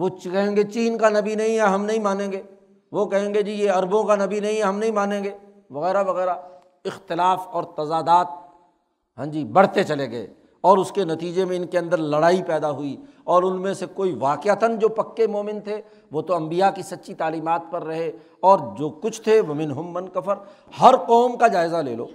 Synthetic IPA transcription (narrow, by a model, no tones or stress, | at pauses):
ʋokɐɦẽːŋɡet͡ʃiːnkanɐbinɐɦĩɦɛɦɐmnɐɦĩmaːnẽːɡeː | ʋokɐɦẽːŋɡed͡ʒiːjeɐɾbõkanɐbinɐɦĩɦɛɦɐmnɐɦĩmaːnẽːɡeː | ʋɐɣɛːɾaʋɐɣɛːɾa | ɪxt̪ɪlaːfɔːɾt̪ɐzaːd̪aːt̪̚ | ɦãːd͡ʒibɐɽ̤t̪et͡ʃɐleɡɐḛ | ɔːɾʊskenɐt̪iːd͡ʒemẽɪnkeɐ̃nd̪əɾlɐɽaːipɛːd̪aɦʊi | ɔːɾʊnmẽsekoːiʋaːqɪət̪ənd͡ʒoːpɐkːemoːmɪnt̪ʰe | ʋot̪oɐ̃mbijakisɐt̪ːʃʰit̪aːliːmaːt̪̚pɐɾːɐɦe | ɔːɾd͡ʒoːkʊt͡ʃʰt̪ʰeʋomɪnɦʊmːɐnkɐfəɾ | hɐɾqɔːmkad͡ʒaːɪzalḛːlo̰ː